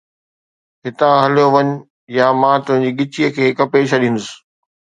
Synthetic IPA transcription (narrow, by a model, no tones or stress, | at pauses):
ɦɪt̪ãɦɐljoʋɐɲʊ | jamãːt̪ʊ̃ɦɪ̃ɲ̆d͡ʑiːɡɪt͡ɕijəkʰeːkəpeːɕʰɐɗĩːn̆d̪ʊsɪ̥